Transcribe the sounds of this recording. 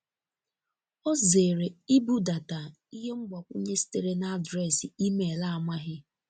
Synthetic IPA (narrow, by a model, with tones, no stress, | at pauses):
o˦ze˨ɾe˨i˦bu˦da˨ta˨ | i˦ɦe˦ŋ͡m̩˦ɡ͡bɔ˨kʷu˦ɲe˦si̥˦te˨ɾe˦na˦dɾe˦˨sɪ˨i˦me˨la˦˨a˨ma˦ɦɪ˦